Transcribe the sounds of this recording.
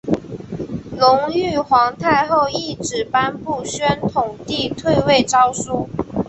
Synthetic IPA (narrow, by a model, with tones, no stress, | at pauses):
lʊ˧˥ŋy˥˩xwɑ˧˥ŋt̪ʰa˥˧ɪxo˥˧ʊi˥˩ʈ͡ʂɻ̩˨˩pa˥npu˥˩ɕɥɛ˥nt̪ʰʊ˨˩ŋt̪i˥˧t̪ʰwe˥˧ɪwe˥˩ɪʈ͡ʂɑ˥ʊsu˥˩